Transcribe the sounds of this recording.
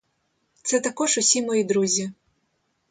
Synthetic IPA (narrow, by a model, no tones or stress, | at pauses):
t̪sɛt̪akɔʂusʲimɔjid̪ɾuzʲi